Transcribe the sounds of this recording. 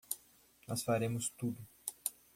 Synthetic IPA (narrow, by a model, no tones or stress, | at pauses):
nɔsfaɾẽmʊst̪ud̪ʊ